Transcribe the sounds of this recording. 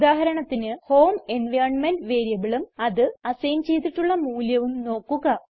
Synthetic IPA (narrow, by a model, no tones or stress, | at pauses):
ud̪aːɦɐɾɐɳɐt̪ːinɨho̞ːmenʋɐjɾɐɳmenɖʋe̞ːɾjɐbiɭumɐðɨɐsɐjɐmt͡ɕe̞jt̪̬ːiʈːuɭːɐmuːljɐʋumno̞ːkːuɣɐ